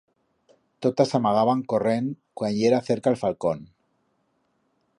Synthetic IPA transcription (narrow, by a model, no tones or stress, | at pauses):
t̪ot̪asamaɣ̞aβaŋkoreŋkwanʎeɾaθeɾkaelfalkon